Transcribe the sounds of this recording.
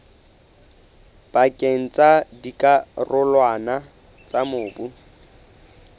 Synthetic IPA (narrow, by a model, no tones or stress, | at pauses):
b̥akʼeŋ̩t͡sʼadikʼarʊlwana | t͡sʼamʊːbu